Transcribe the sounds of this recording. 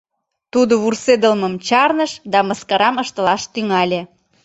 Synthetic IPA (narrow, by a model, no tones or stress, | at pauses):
t̪ud̪oβursed̪əlməmt͡ɕɑrnəʃd̪ɑməskɑɾɑməʃt̪ə̆lɑʃt̪yŋɑlʲĕ